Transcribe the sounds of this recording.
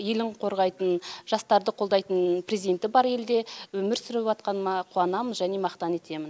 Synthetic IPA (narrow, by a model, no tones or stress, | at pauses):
je̞lɪɴqʰo̞ɾʁɑjt̪ənʒ̥ɑst̪ɑɾd̪əqʰo̞lˠd̪ɑjt̪ənprʲezid̪ʲe̞nt̪ɪbɑɾe̞ld̪e̞wɵmɪɾsʏɾɪpɑt̪̚qɑnmɑqʰuɑnɑmənʒæne̞mɑqt̪ɑne̞t̪e̞mɪn